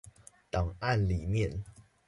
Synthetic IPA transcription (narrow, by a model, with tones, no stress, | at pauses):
t̪ɑ˨˩ŋa˥˨nli˨˩mjɛ˥˨n